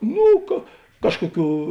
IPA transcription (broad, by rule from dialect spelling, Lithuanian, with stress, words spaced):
ˈnuː kɐ ˈkɑːʃkoːˌkʲuː